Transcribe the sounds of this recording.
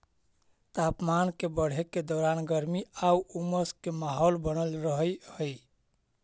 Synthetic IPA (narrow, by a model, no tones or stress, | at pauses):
t̪apmankebəɽ̤ekːed̪ɔɾanɡəɾmiauuməskemaɦolbənəlɾəɦəjhəj